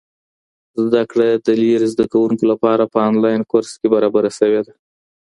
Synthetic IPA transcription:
zd̪akɽed̪əliɾzd̪akawuŋkolapɑɾapəɑnlɑjnkoɾskebaɾɑbaɾasəwed̪a

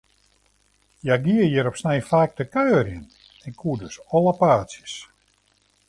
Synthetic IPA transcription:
jaɡiəjəɾɔpsnejfaːk̚dəkøːrjən | ɛkʰːuədøsɔləpaːsjəs

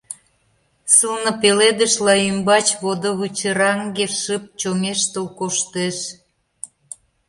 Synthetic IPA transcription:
səlnə̆peled̪əʃlɑymbɑt͡ɕβod̪oβut͡ɕəɾɑŋɡeʃəp̚t͡ɕomeʃt̪olkoʃt̪eʃ

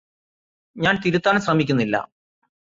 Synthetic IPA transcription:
ɲaːnt̪iɾut̪ːaːnsrɐmikʲːunːilːɐ̰

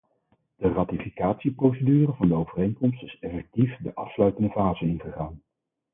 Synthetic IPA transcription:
d̥əraːtifikaːtsiprowsədyːrəvɑndəowvərejŋkɔmstɪsɛfɛk̚tifdəʔɑfslœɥtəndəvaːzənɪnχəχaːn

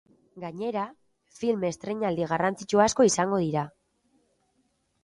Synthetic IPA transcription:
ɡaɲe̞ɾa | filme̞st̪ɾe̞ɲald̪iɣ̞arant͡sit͡ʃuasko̞isaŋɡo̞ð̞iɾa

